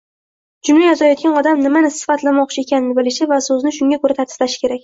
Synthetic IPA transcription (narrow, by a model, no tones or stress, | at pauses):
d͡ʒʊmlajɒzajɒt̪̚ɡʲanɒd̪amnɪmanɪsɪ̥fat̪lamɒqt͡ʃʰɪekʲʰanɪnɪbɪlɪʃɪvasɵzɪnɪʃʊŋɡʲakʰoɾat̪ʰaɾt̪ʰɪzlaʃɪ̥kʲʰe̞ɾakʲ